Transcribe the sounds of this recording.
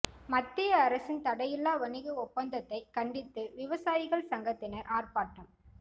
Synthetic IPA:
mɐt̪ːɪjɐːɾɐsɪnt̪ɐɽɐjɪlːaːʋɐnɪɣɯɔpːɐnd̪ɐt̪ːɐɪkɐɳɖɪt̪ːɯʋɪʋɐsaːjɪɣɐɭsɐŋɡɐt̪ːɪnɐɾʔaːrpaːʈːɐm

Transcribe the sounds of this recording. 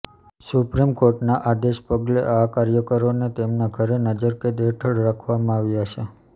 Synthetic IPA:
supɾimkoɾʈnaʔad̪eʃpəɡleʔakaɾjəkəɾonet̪emnaɡʱəɾenəd͡ʒəɾked̪eʈʰəɽɾakʰʋamãaʋjaʃʰe

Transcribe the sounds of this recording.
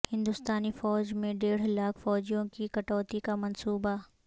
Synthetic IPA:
hɪ̃nd̪ʊst̪aːnifɔːd͡ʒmẽɖeːɽ̤laːkʰfɔːd͡ʒijõkikɐʈɔːt̪ikamɐnsuːba

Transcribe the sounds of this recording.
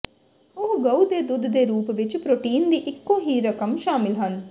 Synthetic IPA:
oɦɡɐwd̪ed̪ud̪ʱd̪eːɾuːpʋit͡ʃpɾoʈiːnd̪iʔikːoːɦiːɾɐkɐmʃaːmilɦɐn

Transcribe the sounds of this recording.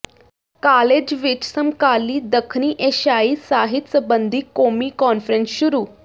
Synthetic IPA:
kaled͡ʑʋit͡ɕsəmkaliːd̪əkʰniʔeɕaisaɦit̪səbənd̪ʱiːkomikɔnfɾensɕuɾuː

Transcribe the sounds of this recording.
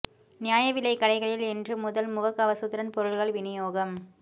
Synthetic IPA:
nɪjaːjɐʋɪlɐɪkːɐɽɐɪɣɐɭɪlɛndrɯmʊðɐlmʊɣɐkːɐʋɐsɯt̪ːɪɾɐnpɔɾɯɭɣɐɭʋɪnɪjoːɣɐm

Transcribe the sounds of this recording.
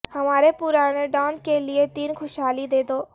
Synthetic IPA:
hɐmaːɾepʊɾaːneɖɔːnkeliet̪iːnxʊʃɦaːlid̪eːd̪oː

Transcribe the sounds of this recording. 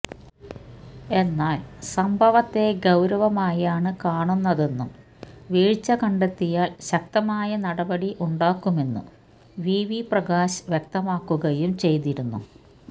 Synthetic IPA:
e̞nːaːlsɐmbʱɐʋɐt̪ːe̞ɡɐwɾɐʋɐmaːjaːɳɨkaːɳunːɐðe̞nːum | ʋiːɻt͡ɕːɐkɐɳɖet̪ːijaːlɕɐk̚t̪ɐmaːjɐnɐɽɐbɐɽiʔuɳɖaːkːumenːṵ | ʋiːʋiprɐɡaːɕʋjek̚t̪ɐmaːkːuɣɐjumt͡ɕe̞jt̪iɾunːṵ

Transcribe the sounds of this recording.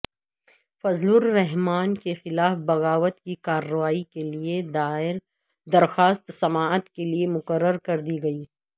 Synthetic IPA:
fɐzlʊɾːɛɦmaːnkexɪlaːfbɐɣaːʋət̪kikaːɾɐʋaːikelied̪aːɪɾ | d̪ɐɾxaːst̪sɐmaːət̪keliemʊkəɾːəɾkɐɾd̪iɡɐiː

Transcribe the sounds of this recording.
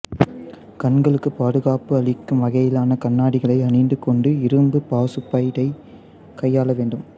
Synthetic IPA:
kɐɳɡɐɭɯkːɯpaːðɯɣaːpɯɐɭɪkːɯmʋɐɣɐjɪlaːnɐkɐnːaːɽɪɣɐɭɐɪɐnɪnd̪ɯkːɔɳɖɯɪɾɯmbɯpaːsɯpːɐjɾɐɪ | kɐjːaːlɐʋeːɳɖɯm

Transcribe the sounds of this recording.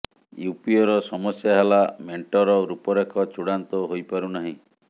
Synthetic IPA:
jupiɔɾɔsɔmɔsjaɦalameɳʈɔɾɔɾupɔɾekʰɔt͡ʃuɽant̪ɔɦojpaɾunaɦĩ

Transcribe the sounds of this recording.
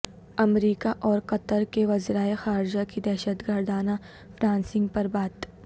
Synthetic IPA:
ɐmɾiːkaʔɔːɾqɐt̪əɾkeʋɐzɾaːexaːɾd͡ʒakid̪ɛːʃət̪ɡəɾd̪aːna | fɾãːnsɪ̃ŋɡ̚pɐɾbaːt̪

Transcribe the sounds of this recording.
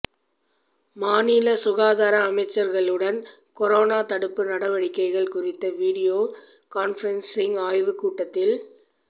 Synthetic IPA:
maːniːlɐsʊɣaːðaːɾɐːmɐɪt͡ʃːɐɾɣɐɭɯɽɐn | kɔɾoːnaːt̪ɐɽɯpːɯnɐɽɐʋɐɽɪkːɐɪɣɐɭkʊrɪt̪ːɐʋiːɽɪjoː | kaːnfɐɾɐnsɪŋaːjʋɯkuːʈːɐt̪ːɪl

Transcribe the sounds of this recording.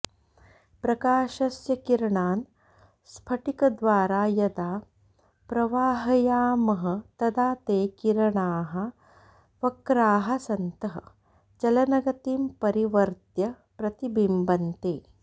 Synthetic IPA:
pɾɐkaːʃɐsjɐkiɾɐɳaːn | spʰɐʈikɐd̪ʋaːɾaːjɐd̪aː | pɾɐʋaːɦɐjaːmɐɦɐ̆t̪ɐd̪aːt̪eːkiɾɐɳaːɦɐ̆ | ʋɐkɾaːɦɐ̆sɐnt̪ɐɦɐ̰ | t͡ʃɐlɐnɐɡɐt̪iːmpɐɾiʋɐɾt̪jɐ | pɾɐt̪ibimbɐnt̪eː

